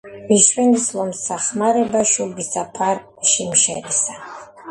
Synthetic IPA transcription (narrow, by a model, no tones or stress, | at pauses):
miʃwɛnislɔmsaχmaɾɛbaʃubisapʰaɾ | ʃimʃɛ̰ɾisa